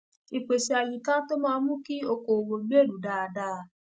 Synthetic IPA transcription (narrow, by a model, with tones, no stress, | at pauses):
i˧k͡pe˨ʃe˧a˧jĩ˨tã˦to˦mãː˦˧˦mũ˦ki˦o˧ko˨wo˧ɡ͡be˦˨lu˨˦da˧˨a˧da˧˦˧